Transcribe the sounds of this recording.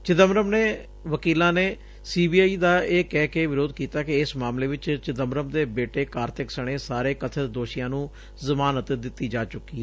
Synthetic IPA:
t͡ʃɪt̪əmɾəmneː | ʋəkiːlãːneː | siːbiːaːiːd̪aːeːkɛːkeːʋɪɾoːd̪kiːt̪aːkɪɪsmaːmleːʋɪt͡ʃt͡ʃɪt̪əmɾəmd̪eːbeːʈeːkaːɾt̪ʰɪksəɳ̃eːsaːɾeːkət̪ʰəd̪oːʃɪjãːnũː | zəmaːnət̪d̪ɪt̪ːiːd͡ʒaːt͡ʃʊkːiːɛ

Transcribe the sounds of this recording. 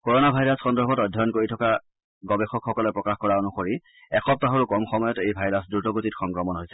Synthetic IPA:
kɔɹonabʱajɹasxɔndɔɹbɔtɔjdʱːɔjɔnkoɹitʰɔka | ɡɔbɛxɔkxɔkɔlɛpɹɔkaxkɔɹaonuxoɹi | ɛxɔp̚taɦoɹukɔmxɔmɔjɔtejbʱajɹasdutɔɡotitxɔŋkɹɔmɔnɦojsɛ̥

